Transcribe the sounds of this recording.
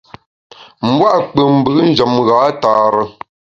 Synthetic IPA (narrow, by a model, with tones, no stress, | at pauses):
m̩˦bwa˦ʔk͡pə˨m̩˨bɨ˨˦n̩˦˨d͡ʒə˨mɣaː˨˦taː˨ɾə˨